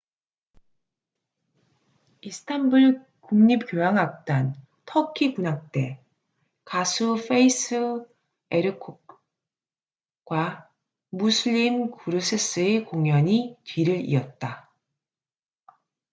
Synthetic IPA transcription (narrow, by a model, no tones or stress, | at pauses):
isʰɯ̥tʰambuɭ | kuŋɲip̚kjojaŋak̚t͈an | tʰʌkʰikunak̚t͈e̞ | kasʰufʰeisʰɯ | eɾɯkʰo | k͈wa | musʰɯʎːimkuɾusʰes͈ʰɯekoŋjʌɲitɥiɾɯɾḭʌt̚t͈a